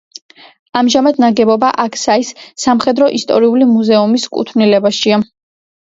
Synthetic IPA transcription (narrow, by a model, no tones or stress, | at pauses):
amʒamad̪naɡɛbɔbaʔakʰsaisːamχɛd̪ɾɔʔist̪ʼɔ̰ɾiulimuzɛumiskʼṵt̪ʰvnilɛbaʃia